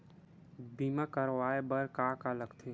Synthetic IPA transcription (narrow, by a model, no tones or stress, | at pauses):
biːmakəɾwaːebəɾkaːkaləɡt̪ʰe